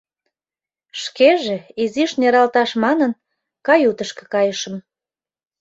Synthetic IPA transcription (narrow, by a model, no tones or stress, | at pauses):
ʃkeʒĕiziʃneɾɑlt̪ɑʃmɑnən | kɑjut̪əʃkĕ̥kɑjəʃəm